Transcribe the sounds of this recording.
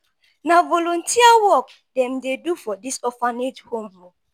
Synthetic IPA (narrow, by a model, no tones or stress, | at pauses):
navɔlɔ̃ntʰiawɔk | dɛ̃mdedufɔdisɔfanethõmɹɔ